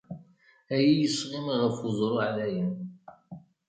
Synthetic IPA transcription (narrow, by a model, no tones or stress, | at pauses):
æjijəsʁɪmʁəɾfuzˤɾˤuʕlæjən